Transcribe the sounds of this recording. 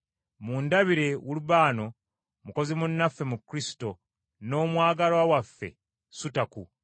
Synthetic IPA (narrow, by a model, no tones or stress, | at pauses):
muːndaβiɾe̞wuluβaːno̞ | muko̞zimunːafːe̞mukːɾisi̥to̞ | no̞ːmwaːɡalwawafːe̞̰ | sutaku